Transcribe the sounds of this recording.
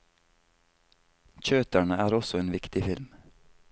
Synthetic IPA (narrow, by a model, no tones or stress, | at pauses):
c͡çøːt̪æɳəæːɾɔsɔeːnʋɪkt̪ɪfɪlm